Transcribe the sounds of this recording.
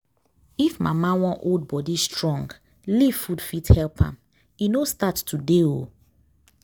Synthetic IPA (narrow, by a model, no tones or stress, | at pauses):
ifma̰mãwɔ̃nʔold̚bɔdistʰɹɔ̃ŋɡ | livfudfithɛlpʰã̰m | inostattudeo